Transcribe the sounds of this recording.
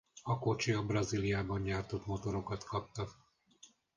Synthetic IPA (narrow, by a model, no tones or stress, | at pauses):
ɒko̞t͡ʃiɒbrɒzilijaːbɒɲɲaːrt̪o̞t̪mo̞t̪o̞ɾo̞kɒt̪kɒp̚t̪ɒ